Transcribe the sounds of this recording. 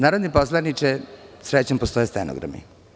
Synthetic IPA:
naːɾod̪neposlˠanit͡ʃesɾet͡ɕampost̪ojeseno̰ɡɾa̰mḭ

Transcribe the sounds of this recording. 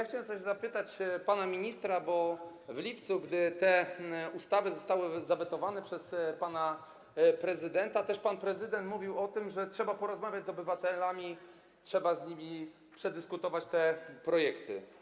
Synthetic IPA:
jaxt͡ɕawɛmsɔɕzapɘt̪at͡ɕpanamʲiɲist̪ɾabɔvlʲipt̪suɡd̪ɘt̪ɛust̪avɘzɔst̪awɘzavɛt̪ɔvanɛpʂɛspana | pɾɛzɘd̪ɛnt̪at̪ɛʂpanpɾɛzɘd̪ɛnt̪muvʲiwɔt̪ɘmʐɛtʂɛbapɔɾɔzmavʲjad͡ʑʲzɔbɘvat̪ɛlamʲi | tʂɛbazɲimʲi | pʂɛd̪ɘskut̪ɔvat͡ɕt̪ɛpɾɔjɛkt̪ɘ̰

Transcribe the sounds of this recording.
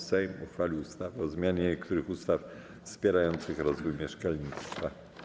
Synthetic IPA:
sɛjmuxfalʲiwust̪avɔzmʲjaɲɛkt̪uɾɘxust̪af | fspʲjɛɾajɔnt̪sɘxɾɔzvujmʲjɛʂkalɲit̪st̪fa

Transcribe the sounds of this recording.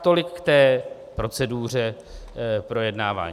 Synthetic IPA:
t̪o̞lɪkːt̪ɛː | pɾo̞t͡sɛduːr̝ɛ | pɾo̞jɛdnaːva̰ːɲ

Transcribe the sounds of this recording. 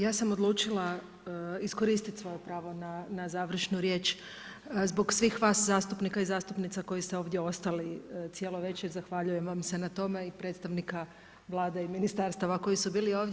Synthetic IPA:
jaːsamo̞d̪lˠuːt͡ʃila | isko̞ɾiːst̪it̪sʋo̞jepɾaːʋo̞nanazaːʋr̩ʃnuɾje̞ːt͡ʃ | zbo̞ɡsʋixʋaːszaːst̪upnikaizaːst̪upnit̪sako̞jist̪eo̞ːʋd̪je̞o̞st̪alit̪sije̞lo̞ʋe̞t͡ʃiɾzaxʋaʎuje̞mʋamse̞nat̪o̞me̞ipɾe̞t̪st̪aʋnika | ʋlˠaːd̪eiminist̪aɾst̪aʋako̞jisubiːlio̞ːʋd

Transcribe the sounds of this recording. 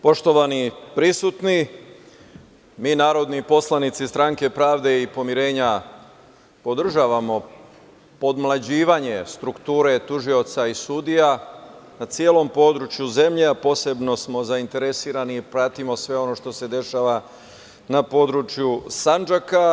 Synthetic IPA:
po̞ʃt̪o̞ʋanipɾisut̪ni | miːnaːɾo̞d̪nipo̞slˠanit̪sist̪ɾaŋke̞pɾaːʋd̪e̞ipo̞miɾe̞ːɲa | po̞d̪r̩ʒaːʋamo̞ | po̞d̪mlˠad͡ʑiːʋaɲe̞st̪ɾukt̪uːɾe̞t̪uʒio̞t̪saisud̪ijanat̪sijeːlo̞mpo̞ːd̪ɾut͡ʃjuze̞mʎeapo̞ːse̞bno̞smo̞zaint̪e̞ɾe̞siːɾaniːpɾat̪imo̞sʋe̞o̞no̞ʃt̪o̞se̞d̪e̞ʃaːʋa | napo̞d̪ɾut͡ʃjusand͡ʒaka

